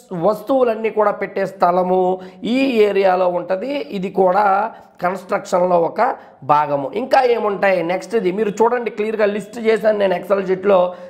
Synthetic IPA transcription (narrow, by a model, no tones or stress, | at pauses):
ʋɐst̪uwulɐnːiːkuːɽaːpeʈːeːst̪ʰɐlɐmuiːeːɾijaːlo̞ːuɳʈɐnd̪iid̪ikuːɽaː | kɐnsʈɾɐkʂɐnlo̞ːɔkɐ | bʱaːɡɐmuʔiŋkaːeːmuɳʈaːjineksʈid̪imiːɾut͡ʃuːɽɐɳɖiklijɐɾɡaːlisʈt͡ʃeːsaːnne̞ːneksɐld͡ʒiʈloː